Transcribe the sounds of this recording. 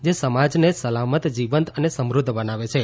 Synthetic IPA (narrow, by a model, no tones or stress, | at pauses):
d͡ʒesəmad͡ʒnesəlamət̪d͡ʒiʋənt̪ənesəmɾud̪ʱːbənaʋet͡ʃʰe